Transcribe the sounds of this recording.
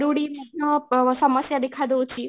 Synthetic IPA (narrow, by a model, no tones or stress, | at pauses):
ɾuɽimanəsəməsjad̪ekʰad̪ot͡ʃʰi